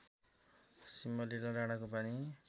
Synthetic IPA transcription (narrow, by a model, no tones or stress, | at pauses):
simːʌlilʌɾaɽ̃ʌkopani